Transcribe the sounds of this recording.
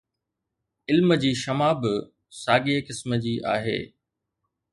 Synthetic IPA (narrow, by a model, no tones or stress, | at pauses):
ɪlməd͡ʑiːʃɐmaːb | saːɡiekɪsməd͡ʑiːʔa̰ːɦḛː